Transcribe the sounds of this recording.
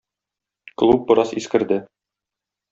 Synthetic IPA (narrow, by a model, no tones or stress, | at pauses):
klˠup̚bɤ̆ɾɑsiskɘ̆ɾd̪ɘ